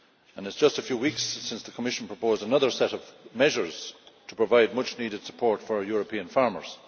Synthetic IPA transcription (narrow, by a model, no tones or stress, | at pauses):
ə̃nɪtsd̥ʒ̥ʌstəfjʉwikssɪ̃nsðəkʰəmɪʃə̃n̩pʰɹ̥əpʰoːzdənʌðə˞sɛɾʌvmɛʒə˞z̥tʰə̥pʰɹ̥əvaɪd̚mʌt͡ʃniɾɨd̥sə̥pʰɔɹtfə˞jɔɹəpʰĩə̃nfaɹmə̰˞z̥